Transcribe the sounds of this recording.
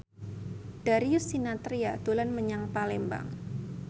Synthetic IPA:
d̥aɾiʊsːinat̪ɾiad̪̥olanməɲaŋpalɛmba̰ŋ

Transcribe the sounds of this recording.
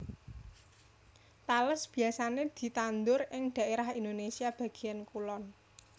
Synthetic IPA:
t̪aləsb̥i̤asaned̪̥i̤t̪and̪ʊɾʔɪŋɖ̪̥a̤eɾahind̪onesiab̥ä̤ɡ̥i̤jankulɔn

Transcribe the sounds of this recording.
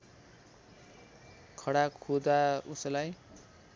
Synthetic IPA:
kʰʌɽakʰud̪auslaj

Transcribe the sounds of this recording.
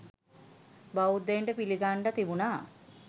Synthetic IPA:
baud̪ːeɳɖəpiliɡaɳɖat̪ibunaː

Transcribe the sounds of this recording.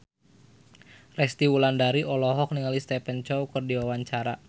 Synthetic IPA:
rɛst̪iwulandaɾiʔɔlɔɦɔk̚niŋalist̪ɛpɛnt͡ʃɔukɨrdiwawaɲt͡ʃaɾa

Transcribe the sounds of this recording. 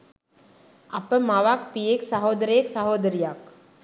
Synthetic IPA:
ɐpəmaʋakpijeksɐɦoːd̪əɾəjeksaɦoːd̪əɾijak

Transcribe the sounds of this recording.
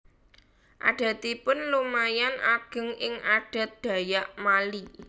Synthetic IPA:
ʔa̰ɖ̥a̤t̪ipʊnlumajanʔaɡ̥ə̤ŋɪŋaɖ̥a̤t̪̚d̪̥ä̤jaʔmali

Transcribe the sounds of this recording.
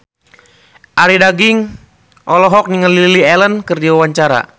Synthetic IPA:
ʔaɾidaɡiŋ | ʔɔlɔɦɔk̚niŋəliiliɛlənkərdiwawaɲt͡ʃaɾa̰

